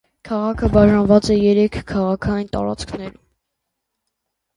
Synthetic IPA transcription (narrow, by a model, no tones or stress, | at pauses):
kʰɑʁɑkʰəbɑʒɑnvɑt͡sɛjɛɾɛkʰːɑʁɑkʰɑjint̪ɑ̰ɾɑ̰t͡skʰnɛɾum